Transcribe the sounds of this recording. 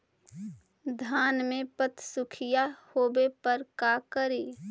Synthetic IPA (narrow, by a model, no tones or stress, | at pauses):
d̪ʱaːnmẽpət̪sʊkʰɪjahoːbepəɾkakəɾiː